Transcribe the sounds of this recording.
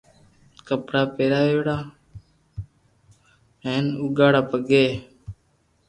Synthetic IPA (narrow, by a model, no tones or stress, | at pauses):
kəpɽaːpeːɾaːʋeːɽaː | ɦẽːnuːɡaːɽaːpəɡeː